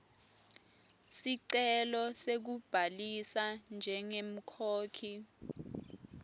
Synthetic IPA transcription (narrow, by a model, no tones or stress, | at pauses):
siǀɛlɔsek̬ub̥ʱalisand͡ʒʱɛŋem̩kʰoːkʰi